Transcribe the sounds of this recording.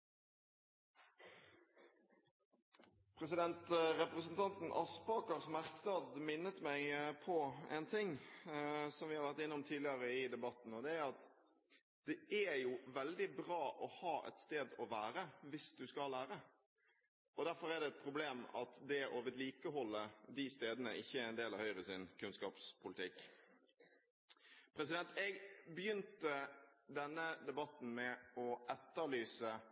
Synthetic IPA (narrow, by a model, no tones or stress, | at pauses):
pʰʁɛs̬ɪd̪ɛnt̪ɾɛpʁəsən̩t̪ʰɑnt̪n̩ʔɑspɑːkɑʁsmæʁksnɑːd̪mɪnːət̪mæɪpʰɔɛnt̪ʰɪŋː | sɔmʋɪhɑɾʋæʁt̪ɪnːəʊmt̪ʰiːlɪəɾəɪd̪ɛbɑt̪n̩ɔd̪ɛæɾɑt̪ | d̪̥ɛʔæjuʋɛld̪ɪbʁɑːʔɔhɑːʔɛ̰t̪st̪eːd̪ɔʋæːɾəʋɪsd̪ʉskɑlæːɾə | ɔd̪æɾfɔɾæd̪ɛɛt̪̚pʰɾʊbleːmɑ̰t̪d̪ɛʔoːʋət̪liːkəhɔlːəɾd̪ist̪eːd̪ənəʔɪçːəæɾɛnd̪eːlɑʋhœʏɾəsɪnkʰʉnskɑːpspʰʊlɪt̪ʰɪkː | pʰɾɛsɪd̪ɛnt̪ɛɡbəjʏnt̪əd̪ɛnːəd̪ɛbɑt̪ːn̩mɛɔʔɛt̪ːəɭyːsə